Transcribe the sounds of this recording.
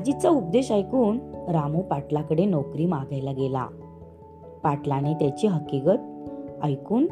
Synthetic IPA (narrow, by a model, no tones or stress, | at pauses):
d͡ʑit͡saup̚d̪eɕajkuːɳɾamupaʈlakəɽenɔwkɾiːmaɡʱajlaɡela̰ | paʈlanet̪jat͡ɕiɦəkikət̪̚ajkuːn